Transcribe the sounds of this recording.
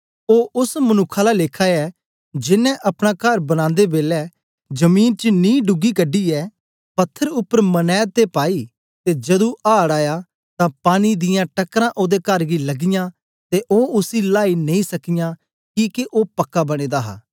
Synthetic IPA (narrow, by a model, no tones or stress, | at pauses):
oːʊsmənʊkʰːalaleːkʰaːɛ | d͡ʒɪnːɛ̃ʔɐpɽ̃aːkəɾbəñãːnd̪ebeːlɛː | d͡ʒəmiːnt͡ʃənĩːɖʊɡiːkəɖiːɛː | pɐt̪ʰːəɾʊpːəɾmənɛːd̪̚t̪epaːiː | t̪ed͡ʒɐd̪ũʔaːɽaːjaː | t̪ãːpaːnid̪ɪjãːʈəkːɾãːʔoːd̪ekəɾɡilɐɡɪjãː | t̪eʔoːʊsilaːinẽĩsɐkɪjãː | kiːkeʔoːpɐkːabɐɽ̃eːd̪aːɦa̰ː